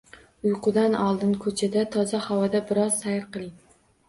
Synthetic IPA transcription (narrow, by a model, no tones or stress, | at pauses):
ʊjqʰʊd̪anɒlˠd̪ɪnkʰɵt͡ʃʰad̪at̪ʰɒzahawɒd̪abɪɾɒz̥sajɾqɨlˠɪŋ